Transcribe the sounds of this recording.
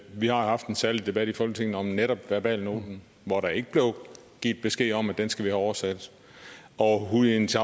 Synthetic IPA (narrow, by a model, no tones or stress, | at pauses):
ʋihɑ̈ohɑ̈fd̥ensæɐlid̥e̝b̥æɾ̥ifɒ̽lɡət͡sʰe̝ŋn̩ɒ̽mneɾɒ̽b̥ʋæɐb̥ɛ̰ːlno̝̰ːd̥n̩ | ʋɒɾɑ̈e̝ɡ̥əb̥le̝ʊ | ɡ̥ḭːd̥̚b̥e̝sɡ̥e̝̰ːɒ̽mæd̥ensɡ̥æʋihæɒʊɐsæd̥ | ɒ̽ɦuent͡sʰ